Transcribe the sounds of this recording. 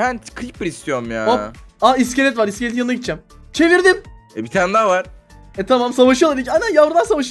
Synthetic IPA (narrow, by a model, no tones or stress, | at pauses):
hænt̪kʰɾipɾist̪ʰjonmjaːopaisceɾɛt̪vaɾiscelʲɛjanaɟit̪̚d͡ʒæmt͡ʃʰe̞viɾd̪im | ɛbit̪ʰænd̪avaɾ̥ | ɛt̪ʰamamsavaʃɯjalˠaɾd̪icajnænjavɾɯlˠaɾsavaʃɯ